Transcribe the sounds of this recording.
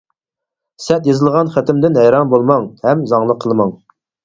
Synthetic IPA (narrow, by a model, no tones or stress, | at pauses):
sɛt̪jɑzɨlˠʁɑnχæt̪ɪmd̪ɪnɦɛjɾɑnbolˠmɑŋhɛmzɑŋlˠəqʰːəlˠɨmɑŋ